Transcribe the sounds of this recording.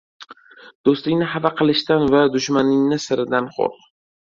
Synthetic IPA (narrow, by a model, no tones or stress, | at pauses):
d̪̥ost̪lɪŋʲnɪɦavaqʰɨlˠɪʃt̪anvad̪ʊʃmanɪŋnɪsɪɾɪd̪anχo̰ɾq